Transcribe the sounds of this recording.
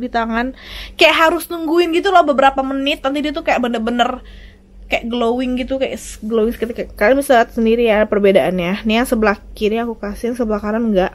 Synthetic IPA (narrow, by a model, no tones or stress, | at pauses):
bit̪aŋankajaʔɦaɾʊsnuŋɡuɪnɡit̪̬ulahbəbəɾapamənɪt̪ːant̪̬idit̪ukajaʔbənərbənər | kaja̰ʔɡlowɪŋɡit̪ukaja̰ʔsɡəlowɪŋsəkət̪ikakaɾamisaat̪̚səndiɾijapərbedaʔanjaniasəbəlahkiɾiakukasijaŋsəbəlahkaɾanŋɡaʔ